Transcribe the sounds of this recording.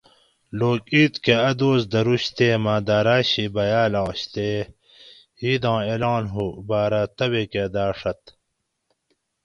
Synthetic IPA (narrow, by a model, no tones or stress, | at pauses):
loːkiːt̪keɐd̪oːsd̪ɐɾuɕt̪eːmãːd̪aːɾaːɕibɐjaːlɑ̃ːɕt̪eː | iːd̪ɑ̃ːeːlɑ̃ːnɦubaːɾat̪ɐweked̪aːʂɐt̪